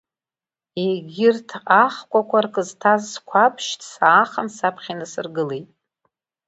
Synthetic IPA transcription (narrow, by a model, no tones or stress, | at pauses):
eɡʲɪrtʰaχkʷʼakʷarkʼɨztʰazːkʷʰapʰʃtʰsaːχənsapʰχʲinɨsɨrɡɨle̞jtʼ